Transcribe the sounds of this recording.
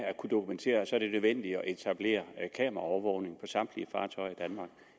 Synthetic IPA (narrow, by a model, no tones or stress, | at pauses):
ækʰud̥o̝kʰument͡sʰe̝̰ːɐsɒ̽ɐd̥e̝nøðˠʋen̰d̥i̥ɒ̽ʔe̝t͡sʰæb̥le̝̰ːɐkʰɛ̰ːmɐɑɒʊʋɒʊne̝ŋpʰɒ̽sɑ̈md̥liəfɑ̈ːt͡sʰɒ̽ɪɐid̥ænmɑ̈ɡ̥